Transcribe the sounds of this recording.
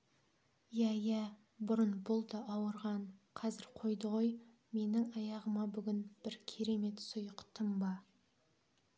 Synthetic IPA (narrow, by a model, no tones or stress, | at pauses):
jæjæ | bʊɾənbʊlˠd̪ɑʔɑwəɾʁɑɴqʰɑzɪɾqʰo̞jd̪əʁo̞j | me̞nɪŋɑjɑʁəmɑbʏɡʲɪnb̥ɪɾkʲʰe̞ɾe̞me̞t̪sʊjəqt̪ʰəmbɑ